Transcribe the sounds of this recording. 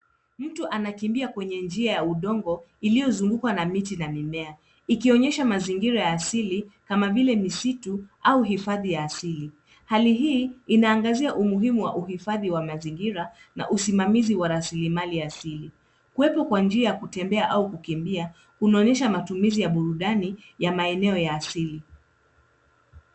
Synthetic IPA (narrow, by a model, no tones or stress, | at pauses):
m̩tɔʔanakimbiakwɛɲɛnd͡ʒiajauɗɔŋɡɔilijɔzuŋɡukwanamitinamimɛa | ikiɔɲɛʃamaziŋɡiɾajaːsilikamavilɛmisituauɦifaðijaːsili | haliɦiːinaːŋɡaziaʔumuɦimuwaʔuɦifaðiwamaziŋɡiɾana̰ʔusimamiziwaɾasilimaliaːsili | kuwɛpɔkwand͡ʒiajakutɛmbɛaʔaukukimbia | kunɔɲɛʃamatumizijaɓuɾuɗanijamaɛnɛɔjaːsili